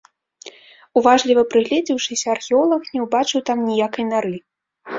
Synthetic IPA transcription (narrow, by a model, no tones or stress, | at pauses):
uvaʐlʲivɐpɾɨɣlʲɛd͡zʲiwʂɨsʲɐɐrxʲɛɔlˠɐxnʲɛwbat͡ʂɨwt̪amnʲijakɐjnaɾɨ